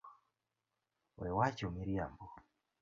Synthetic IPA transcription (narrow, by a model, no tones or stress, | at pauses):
wɛwat͡ʃumiɾiambo